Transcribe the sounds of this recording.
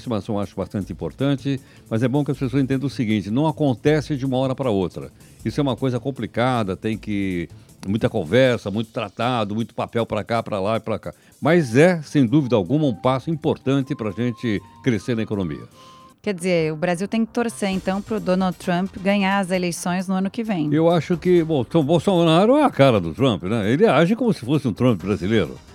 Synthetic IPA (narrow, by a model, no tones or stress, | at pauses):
sɪmasɐ̃w̃aʃʊbast̪ɐ̃nt̪ɪĩpoɾt̪ɐ̃nt͡ʃɪ | mɐzɛbõkɪɐspesozẽt̪ẽnɐ̃ʊsiɡĩnt͡ʃɪnɐ̃w̃akõnt̪ɛsɪd͡ʒɪũmɐɔɾɐpɾɐowt̪ɾɐ̰ | isʊɛũmɐkojzɐkõplikad̪ɐt̪ẽj̃kɪ | mũj̃t̪ɐkõvɛɾsɐmũj̃t̪ʊ̥t̪ɾat̪ad̪ʊmũj̃t̪ʊ̥papɛwpɾɐkapɾɐlaipɾɐka | mazɛsẽj̃d̪uvid̪ɐawɡũmɐũpasʊĩpoɾt̪ɐ̃nt̪ɪpɾɐaʒẽt͡ʃ̪ɪkɾeseɾnɐekonõmḭɐ̰ | kɛd͡ʒ̪ɪzeɾʊbɾaziwt̪ẽj̃kɪt̪oɾseẽnt̪ɐ̃w̃pɾʊd̪õnawd̪t̪ɾɐ̃mpɡɐ̃ɲaɾɐzelejsõj̃znʊɐ̃nʊkɪvẽj̃ewaʃʊkɪbõt̪ɐ̃bowsonnaɾʊɛɐkaɾɐd̪ʊt̪ɾɐ̃mpɪnɛelɪaʒɪkõmʊsɪ̥fosɪũt̪ɾɐ̃mp̚ɪbɾazileɾʊ̰